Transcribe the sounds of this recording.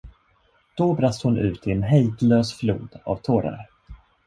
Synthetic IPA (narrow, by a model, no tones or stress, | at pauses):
d̪̥ɔbɾast̪hʊnʉ̟ːt̪ʰɪɛnɦɛjd̪løːsfluːd̪a̰vt̪ʰoːɾa̰ɾ